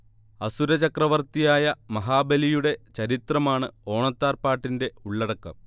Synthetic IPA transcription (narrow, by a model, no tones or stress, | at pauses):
ɐsuɾɐt͡ɕɐkrɐʋɐrt̪ijaːjɐmɐɦaːbelijuɽe̞t͡ɕɐɾit̪rɐmaːɳɨo̞ːɳɐt̪ːaːrpaːʈːinde̞uɭːɐɽɐkːɐ̰m